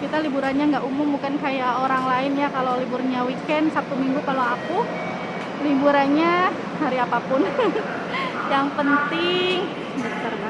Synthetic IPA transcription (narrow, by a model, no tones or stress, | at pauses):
kit̪alibuɾanɲaŋɡaʔumʊmbukankajaoɾaŋlaɪnjakaloliburɲawikɛnsap̚t̪umiŋɡukaloaku | libuɾanɲa | haɾiapapʊn | jaŋpənt̪ɪŋ | bət̪ərda